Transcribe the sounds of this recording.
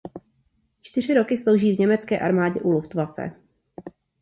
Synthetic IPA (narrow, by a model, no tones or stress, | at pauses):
t͡ʃt̪ɪr̝ɪɾo̞kɪslo̞wʒiːvɲɛmɛt͡skɛ̰ːʔaɾmaːɟɛʔuluft̪vafɛ̰